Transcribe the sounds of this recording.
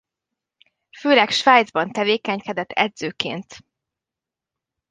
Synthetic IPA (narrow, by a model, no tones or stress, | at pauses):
føːlɛkʃʋaːjd̪zbɒnt̪ɛveːkɛɲkɛd̪ɛt̪ːɛ̰d̪z̥øːkḛːnt̪